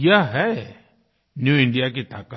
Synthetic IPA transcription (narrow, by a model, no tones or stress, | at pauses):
jaɦɛ | njuːɪ̃ɳɖijak̬et̪aːkə